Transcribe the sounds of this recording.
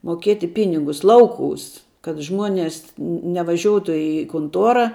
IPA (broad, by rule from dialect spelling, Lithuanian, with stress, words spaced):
moːˈkʲeːtʲɪ ˈpʲɪnʲɪɡʊs ˈlˠɐʊˌkuːs kɐt ˈʒmuɔnʲɛs nʲɛ nʲɛʋɐˈʒʲuɔtʊ ɪ kʊnˈtuɔrɐ